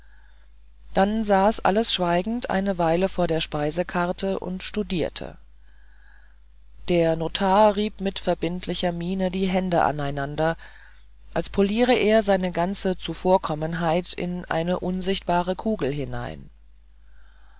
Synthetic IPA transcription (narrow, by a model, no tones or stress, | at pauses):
d̥anzaːsʔa̰ləsʃv̥aɪɡŋ̩tʔa̰ɪnəvaɪləfoːɐɾeːɐʃpaɪzəkʰaɐtʰəʔʊ̰ntʃtudiːɐtʰə̰ | d̥eːɐnoːtʰaːɐʁiːpmɪtfɛɐbɪntʰlɪçɐmiːnədiːɦɛndəʔa̰naɪnandɐ | ʔalspʰoliːʁəʔeːɐzaɪnəɡant͡sət͡sufoːɐkʰɔmənɦaɪtɪ̰nʔa̰ɪnəʔʊnzɪçt̚b̥aːʁ̞əkʰuːɡl̩ɦɪna̰ɪn